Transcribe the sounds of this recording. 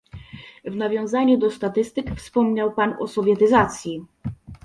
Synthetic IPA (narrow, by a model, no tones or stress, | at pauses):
vnavʲjɔ̃w̃zaɲud̪ɔst̪at̪ɘst̪ɘkfspɔmɲawpanɔ̰sɔvʲjɛt̪ɘzat̪sʲji